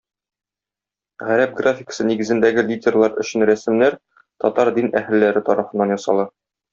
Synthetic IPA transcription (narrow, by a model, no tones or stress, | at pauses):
ʁæɾæp̚ɡrafʲɪkə̥sɤniɡɘ̆zɘ̆nd̪æɡɘlʲidʲerlˠɑɾɵ̆ɕɘnɾæsɘ̆mnæɾ | t̪ɒt̪ɑɾd̪inʔæhɘ̆lːæɾɘt̪ɒɾɑfɤ̆nːɑnjɒsɑ̰lˠɑ